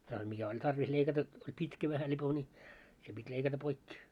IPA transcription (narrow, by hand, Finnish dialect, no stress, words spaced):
jɑh mikæ olʲ tɑrʋis leikɑtɑ olʲ pitkæ ʋæhæ lipo nʲi se pitʲ leikɑtɑ poikːi